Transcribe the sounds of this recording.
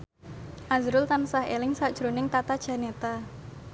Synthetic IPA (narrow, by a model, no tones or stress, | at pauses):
ʔazɾʊlt̪ansaɦḛlɪŋsad̥ʒ̥ɾonɪŋt̪at̪ad̥ʒ̥ä̤net̪a